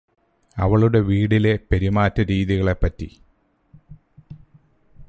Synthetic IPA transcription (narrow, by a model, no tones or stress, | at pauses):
ɐ̰ʋɐɭuɽe̞ʋiːɽile̞peɾimaːtːɐɾiːðiɣɐɭe̞pːɐtːḭ